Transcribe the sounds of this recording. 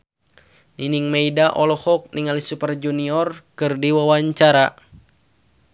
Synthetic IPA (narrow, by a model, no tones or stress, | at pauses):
niniŋmeidaʔɔlɔhɔk̚niŋalisupərd͡ʒuniɔrkɨrdiwawaɲt͡ʃaɾa